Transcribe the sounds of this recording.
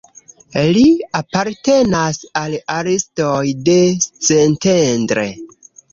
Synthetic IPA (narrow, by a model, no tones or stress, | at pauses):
liapaɾte̞nasalaɾestojde̞t͡sentendɾḛ